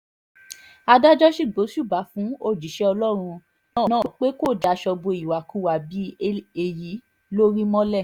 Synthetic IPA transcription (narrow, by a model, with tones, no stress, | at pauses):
a˧da˦d͡ʒɔ˦ʃi˦˨ɡ͡bo˨˦ʃu˦˨ba˨˦fũ˨˦o˦˨d͡ʒi˨˦ʃɛ˦ɔ˧lɔ˦ɾ̃ũ˧ | nã˦˨nã˦o˨k͡pe˦ko˦˨da˨˦ʃɔ˧bo˧i˨wa˨ku˧˨wa˨bi˨˦e˧˨ji˨˦ | lo˦ɾi˦mɔ̃˦lɛ˦˨